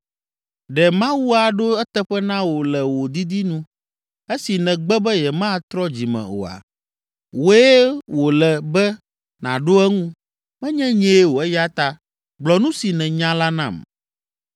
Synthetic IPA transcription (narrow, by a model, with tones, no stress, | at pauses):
ɖɛ˨mã˦wu˦a˨ɖo˦ɛ˦t̪ɛ˦ɸɛ˦nã˦wo˨lɛ˨wo˨d̪i˦d̪i˦nũ˦ | e˦si˨nɛ̃˨ɡ͡bɛ˦bɛ˦jɛ˨mã˦˨t̪ɾɔ˦d͡ʑi˨mɛ̰̃˨o̰˨a̰˨ | wo˦e˦wo˨lɛ˨bɛ˦ | nã̰˨ɖo˦ɛ˦ŋũ˦ | mɛ̃˦ɲɛ̃˦ɲɛ̃˦e˦wo˨ɛ˦ja˦t̪a˦ | ɡ͡blɔ˨nũ˦si˨nɛ̃˨ɲã˦la˦nã̰˦˨m